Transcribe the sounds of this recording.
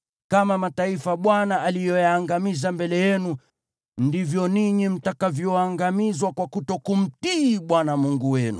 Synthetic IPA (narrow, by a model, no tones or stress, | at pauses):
kamamataifaɓwanaʔalijɔjaːŋɡamizambɛlɛjɛnu | ndivjɔniɲim̩takavjɔaŋɡamizwakwakutɔkum̩tiɓwanamuŋɡuwɛnṵ